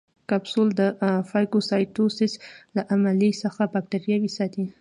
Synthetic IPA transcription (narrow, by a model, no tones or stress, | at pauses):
kabsold̪əfɑjkosɑjtosɪslaʔamalisəxabak̚ʈaɾjawisɑt̪i